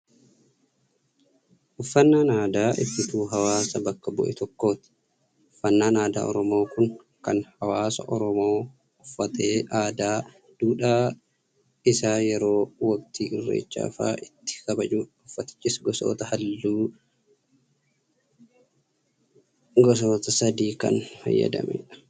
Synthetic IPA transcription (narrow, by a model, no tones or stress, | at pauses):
ʔʊfːɐnːaːnaːd̪aːʔɪtːɪt̪uːɦɐwaːsɐbɐkːɐbɔ̰ʔɛ̰t̪ʰɔkːo̞ːt̪ɪ̥ | ʊfːɐnːaːnaːd̪a̰ːɔɾɔmo̞ːkʊŋ | kɐnhɐwaːsɐ̰ʔɔɾɔmo̞ː | ʊfːɐt̪e̞ːʔaːd̪aː | d̪̥uːᶑaː | ɪsaːjɛɾo̞ːwɐkt̪iːʔɪrːḛːt͡ʃːa̰ːfa̰ːʔɪt̪ːɪ̥kɐbɐd͡ʒuːʊfːɐt̪ɪ̥t͡ʃʼːɪsɡɔso̰ːt̪ɐhɐlːuː | ɡɔs̬o̞ːt̪ɐsɐd̪iːkɐ̰nfɐ̰jːɐ̰d̪ɐ̰mɛ̰ᶑɐ̥